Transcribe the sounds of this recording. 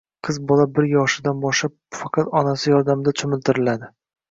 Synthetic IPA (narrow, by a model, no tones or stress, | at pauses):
qʰɨzbɒlˠabɪɾjɒʃɪd̪anbɒʃlap̚fɑqʰɑt̪ɒnasɪjɒɾd̪amd̪at͡ʃ̪ʰʊmɪlt̪ʰɪɾɪlad̪ɪ